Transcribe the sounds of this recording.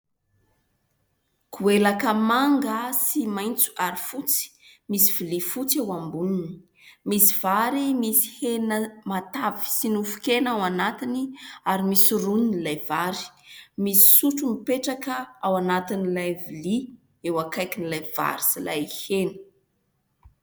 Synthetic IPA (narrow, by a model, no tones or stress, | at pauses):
kuelakəmaŋɡəsimajnt͡su̥aɾifut͡si̥misivilifut͡sewambunini̥ | misiv̥aɾimisi̥henəmat̪avi̥sinufu̥kenawanat̪iniaɾimisirunnilajvaɾi̥misi̥suʈ͡ʂumipeʈ͡ʂakəawanat̪inilajvili | ewakajkinilajv̥a̰ɾi̥sila̰jhenə̥